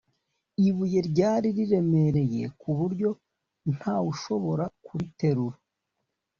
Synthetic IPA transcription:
iβuje̞ɾɟaːɾiɾiɾe̞me̞ɾe̞je̞̰kuβuɾɟo̞ | n̥haːuʃo̞βo̞ɾakuɾite̞ɾuɾa

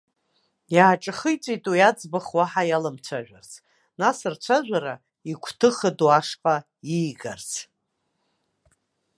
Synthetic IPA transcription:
jaːʈ͡ʂʼɨχɨjt͡sʷʼijtʼujad͡zbaχwaħajalamt͡ɕʷʰaʒᶣʷart͡sʰ | nasɨrt͡ɕʷʰaʒᶣʷaɾa | ikʷʰtʰɨχəduaʂqʼa | iːɡart͡sʰ

